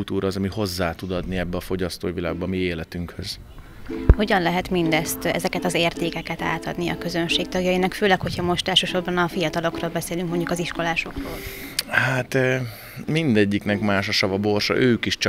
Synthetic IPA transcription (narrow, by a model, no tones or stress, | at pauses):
lt̪uːɾɒːzɒmiho̞zːaːt̪ud̪ɒd̪niɛbːɛɒfo̞ɟɒst̪o̰ːivila̰ːɡ̚bɒmieːlɛt̪yŋkhøz̥ | ho̞ɟɒnlɛɦɛt̪mind̪ɛst̪ɛ̰zɛkɛt̪ɒzeːrt̪eːkɛkɛt̪a̰ːt̪ɒd̪niɒ̰kø̞zø̞nʃeːk̚t̪ɒɡjɒjinɒkføːlɛkho̞cʰhɒmo̞ʃt̪ɛlʃøːʃo̞rbɒnɒfijɒt̪ɒlo̞kroːlbɛseːlyŋkmo̞ɲɟukɒziʃko̞laːʃo̞kroːllhaːt̪ː | mind̪ɛɟːiknɛkmaːʃɒʃɒvɒbo̞rʃɒ̰ʔøːkiʃt͡ʃ